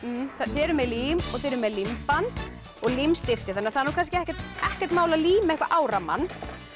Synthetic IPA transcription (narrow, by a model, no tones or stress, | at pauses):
θaθɛɾʏmɛliːmɔθɛːɾʏmɛlimpant̪ | ɔɣlimst̪ɪft̪ɪθanːɪaɾθaðnukʰanscɪɛhcɛɾt̪ɛhcɛɾ̥t̪maːwlaðliːmaɪhkva̰ʔaːwɾama̰nː